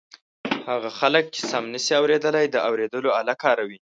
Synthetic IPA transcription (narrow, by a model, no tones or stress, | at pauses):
haɣaxalək̚t͡ʃe̥samnəsiawɾed̪əlajd̪əʔawɾed̪əloalakɑɾawi